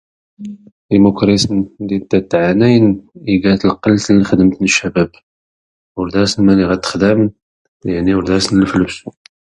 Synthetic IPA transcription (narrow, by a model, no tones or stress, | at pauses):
ʔimukɾisənd̪it̪ːæt̪ːʕanæjəniɡæt̪əlqəlːt̪lːixəd̪əmt̪nəʃːæbæb | wəɾd̪æsənmæniʁæt̪ːə̥xd̪æmən | jaʕniwʊɾd̪æsənlfəlbsu